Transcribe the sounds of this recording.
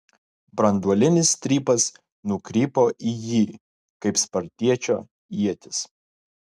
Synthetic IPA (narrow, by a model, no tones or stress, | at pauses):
bɾɐnd̪uɔlʲɪnʲɪst̪ʲɾʲiːpɐs | nʊkɾʲiːpoːʔijiː | kɐɪpspɐɾʲt̪ʲiɛt͡ʃʲoː | iɛt̪ʲɪs